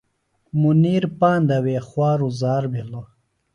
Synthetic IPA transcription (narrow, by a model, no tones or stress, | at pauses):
muniːɾpaːnd̪ɐweːχwaːɾuzaːɾbilo